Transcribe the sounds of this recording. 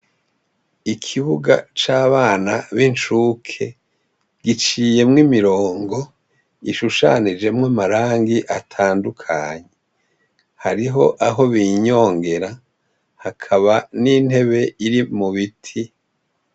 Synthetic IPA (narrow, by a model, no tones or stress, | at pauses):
ikʰiβuɡa̰t͡ʃaːβaːnaβint͡ʃukʰe̞ | ɡ̥it͡ʃiːje̞mŋimiɾoːŋɡo̞ | iʃuʃa̰nid͡ʒe̞mŋamaɾaːŋɡiʔatʰaːndukʰa̰ɲe | haɾiɦo̞ʔaɦo̞βiɲo̞ːŋɡe̞ɾa | hakʰaβanin̥he̞βe̞iɾimuβitʰi